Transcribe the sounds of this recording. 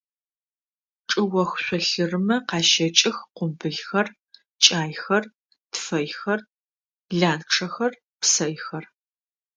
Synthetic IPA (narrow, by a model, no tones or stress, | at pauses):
ʈ͡ʂʼɨwɐxɕʷɔɬɨrɨmɐqɑːʃɐt͡ʃʼɪxqʷʊmbɨɮxɐr | t͡ʃʼaːjxɐr | tfɐjxɐr | ɮaːnʈ͡ʂʰɐxɐr | psɐjxɐr